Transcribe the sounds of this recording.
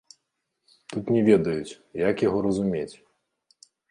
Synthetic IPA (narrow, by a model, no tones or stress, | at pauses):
t̪ut̪nʲɛvʲɛd̪ɐjut͡sʲ | jakjaɣɔɾɐzumʲet͡sʲ